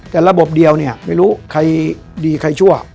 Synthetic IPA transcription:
t̪ɛː˨˩ɾa˧bo˨˩p̚di˧əwni˥˩ɐma˥˩jɾuː˦˥kʰa˧j | diː˧kʰa˧jt͡ɕʰu˥˩ɐ

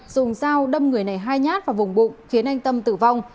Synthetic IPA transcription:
z̥ʊ˨˩ŋ͡msaː˧wɗə˧mŋɨ˨˩əjna˨˩jɦaː˧jɲaː˦˥t̚vaː˨˩vʊ˨˩ŋ͡mɓʊ̰˧˨ŋ͡mxi˨˦ənʔa˧jŋ̟t̪ə˧mt̪ɨ̰˧˩va˧wŋ͡m

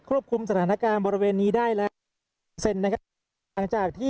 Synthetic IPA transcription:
kʰɾu˥˩əp̚kʰu˧msa˧t̪ʰaː˩˦na˦˥kaː˧nbɔː˧ɾi˦˧weː˧nːiː˦˥daː˥˩jlɛː˦˥ | se˧˩nːa˦˥kʰa˦˥˩ | ŋt͡ɕaː˨˩k̚t̪ʰiː˥˩

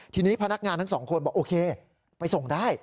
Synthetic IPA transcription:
t̪ʰiː˧niː˦˥pʰa˧na˦˥k̚ŋaː˧nt̪ʰa˥˩sɔː˩˦ŋkʰo˧nbɔː˨˩ʔoː˧kʰeː˧ | pa˧jso˨˩ŋdaː˥˩j

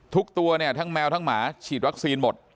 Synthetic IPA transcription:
t̪ʰu˦˥k̚t̪u˧ɐni˥˩ət̪ʰa˦˥ŋmɛː˧wt̪ʰa˦˥˩ŋmaː˩˦t͡ɕʰiː˨˩t̪̚wa˦˥k̚siː˧nmo˨˩t̪̚

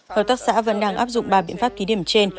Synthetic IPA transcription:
t̪ə˨˩t̪aː˦˥k̚sa̰ː˧˥və̰˧˥nɗaː˧ŋʔaː˦˥p̚zʊ̰˧˨ŋ͡mɓaː˨˩ɓḭ˧ənfaː˦˥p̚t̪ʰi˨˦ɗi˧˩əmt͡ɕe˧n

